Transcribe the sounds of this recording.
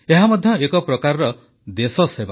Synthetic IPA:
eɦamɔd̪ʱjɔekɔpɾɔkaɾɾɔ | d̪esɔseba

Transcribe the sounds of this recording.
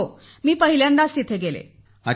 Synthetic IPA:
o | miːpəɦiljanɖast̪it̪ʰeɡelḛ | a

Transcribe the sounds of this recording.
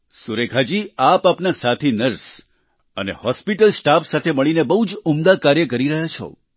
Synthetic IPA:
suɾekʰad͡ʒiapapnasat̪ʰinəɾs | ənḛhɔspiʈəlsʈafsat̪ʰeməɭinebəɦud͡ʒumd̪akaɾjəkəɾiɾəɦjat͡ʃʰo̰

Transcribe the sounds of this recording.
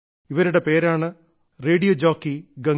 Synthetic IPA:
iʋɐɾuɽe̞pe̞ːɾaːɳɨ | reːɽijod͡ʑoːkːiɡɐ

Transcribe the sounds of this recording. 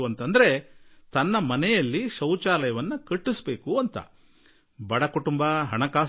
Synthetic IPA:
ʋɐnt̪ɐnd̪ɐɾe̞t̪ɐnːɐmɐnɛjɐlːiʃɐwt͡ʃaːlɐjɐʋɐnːɐkɐʈːisbe̞ːkuɐnt̪ɐ̰ | bɐɽɐkuʈumbɐɦɐɳɐkaː

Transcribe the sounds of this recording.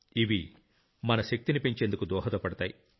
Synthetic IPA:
iʋi | mɐnɐʃek̚t̪inipiɲt͡ʃend̪ukud̪ɔːɦɐt̪ɐpɐɽɐt̪aːji

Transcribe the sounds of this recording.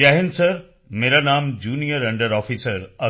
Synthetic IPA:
aːɦɪnɪ̆sɐɾ | meːɾanaːmd͡ʑuːnijəɾɐ̃ɳɖəɾɔːfiːsəɾɐ

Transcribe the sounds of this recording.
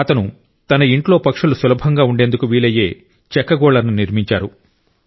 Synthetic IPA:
ɐt̪ɐnu | t̪ɐnɐiɳʈlo̞ːpɐkʂulusulɐbʱɐŋɡaːuɳɖe̞ːnd̪ukuʋiːɭɐje̞ː | t͡ʃɛkːɐɡɔːɭɐɾnuniɾmiɲt͡ʃaːɾu

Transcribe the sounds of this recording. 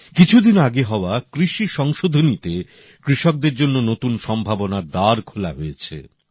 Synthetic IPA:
kit͡ɕʰud̪inaɡeɦɔoakɾiʃiʃɔŋʃod̪ʱonit̪e | kɾiʃɔk̚d̪eɾd͡ʑonːonot̪unʃɔmbʱabonad̪aɾkʰolaɦojet͡ɕʰḛ

